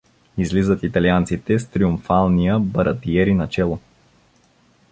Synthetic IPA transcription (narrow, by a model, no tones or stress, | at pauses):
izlizət̪it̪ɐliant̪sit̪ɛst̪ɾiumfalˠnijəbɐɾɐt̪iɛɾinɐt͡ʃɛlˠo